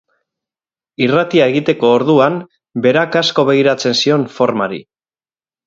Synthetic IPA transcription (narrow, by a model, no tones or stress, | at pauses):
irat̪iae̞ɣ̞it̪e̞ko̞ːɾðuam | be̞ɾakasko̞βe̞ɣiɾat͡se̞nsio̞nfo̞ɾmaɾḭ